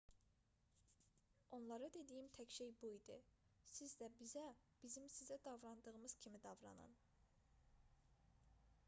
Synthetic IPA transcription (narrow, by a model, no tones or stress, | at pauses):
o̞nlˠɑɾɑd̪e̞d̪ijimt̪ʰæcʃejbuid̪ɯsizd̪æbizæb̥izimsizæd̪ɑvɾɑnd̪ɯʁɯmɯz̥cʰimid̪ɑvɾɑ̰nɯ̰n